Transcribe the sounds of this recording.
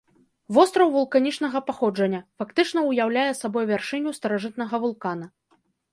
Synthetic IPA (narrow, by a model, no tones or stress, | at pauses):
vɔst̪ɾɐwvulˠkanʲit͡ʂnɐɣɐpaxɔd͡ʐɐnʲːɐfakt̪ɨt͡ʂnɐwjawlʲajɛsabɔjvʲarʂɨnʲust̪ɐɾaʐɨt̪̚nɐɣɐvulˠkan̪ɐ